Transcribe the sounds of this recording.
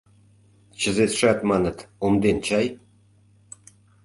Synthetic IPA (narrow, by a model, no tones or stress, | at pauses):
t͡ɕə̆zet̪ʂɑt̪mɑnɤ̆t̪omd̪ent͡ɕɑj